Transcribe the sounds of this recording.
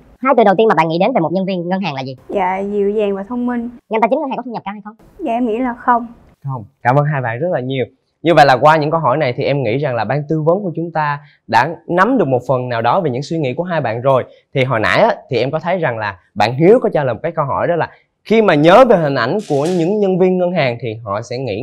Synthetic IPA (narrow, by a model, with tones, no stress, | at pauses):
haː˧jt̪ɨ˨˩ɗə˨˩wt̪i˧nma˨˩ɓa̰ː˧˨ŋi˧˥ɗe˨˦nve˨˩mo˨˩t̚ɲə˧nvi˧ənŋə˧nɦaː˨˩ŋlaː˨˩zi˨˩ja̰ː˧˨zi˧˩˨əwzɛː˨˩ŋvaː˨˩t̪ʰə˧wŋ͡mmï˧ŋŋ˧˨nt̪a˧t͡ɕi˨˦ŋka˧˩kɔ˦t̪ʰə˧ɲə˨˩pkaː˧˦ha˧jxə˧wŋ͡m | zaː˧ʔɛ˧mŋḭ˧˥laː˨˩xə˧wŋ͡m | xə˧wŋ͡mkaː˧˩mʔəː˧nɦaː˧jɓa̰ː˧˨nzə˦˥t̚laː˨˩ɲi˨˩əw | ɲɨ˧və̰˧˨jlaː˨˩kwaː˧ɲɨ̰˧˥ŋkə˧wɦɔ˧˩jna˨˩jt̪ʰi˨˩ʔɛ˧mŋḭ˧˥za˨˩ŋlaː˨˩ɓaː˧nt̪ɨ˧və˨˦nku˧˩ət͡ɕʊ˨˦ŋ͡mt̪aː˧ | ɗa̰ː˧˥na˨˦mɗɨ˨˩ək̚mo˨˩t̚fə˨˩nːnaː˨˩wɗɔ˨˦ve˨˩ɲɨ̰˧˥ŋswi˧ŋḭ˧˥ku˧˩əɦaː˧jɓa̰ː˧˨nzo˨˩j | t̪ʰi˨˩ɦɔ̰˨˩na̰ː˧˥jʔaː˨˦t̪ʰi˨˩ʔɛ˧mkɔ˨˦t̪ʰə˨˦jza˨˩ŋlaː˨˩ | ɓa̰ː˧˨nɦi˨˦əwkɔ˨˦t͡ɕaː˧ləː˨˩m̚˨˩kːjkə˧wɦɔ̰˧˩jɗɔ˨˦laː˨˩ | xi˧maː˨˩ɲəː˨˦ve˨˩ɦï˨˩ŋ̟ʔa˧˩jŋ̟ku˧˩əɲɨ̰˧˥ŋɲə˧nvi˧ənŋə˧nɦaː˨˩ŋt̪ʰi˨˩ɦɔ̰˧˨sɛ̰˧˥ŋḭ˧˥